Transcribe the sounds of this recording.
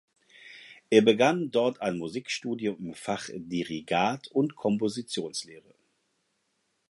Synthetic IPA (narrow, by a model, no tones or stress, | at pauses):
ʔeːɐbəɡandɔɐtʰaɪnmuziːkʃtuːdjoɪmfaχdiʁiɡaːtʰʊntkʰɔmpozit͡sjoːnsleːʁə